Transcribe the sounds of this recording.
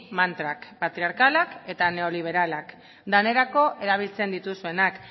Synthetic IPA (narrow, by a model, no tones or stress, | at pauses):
mant̪ɾakpat̪ɾiaɾkalake̞t̪ane̞o̞liβ̞e̞ɾalak | d̪ane̞ɾako̞ʔeɾaβ̞ilt͡se̞nd̪it̪usue̞nak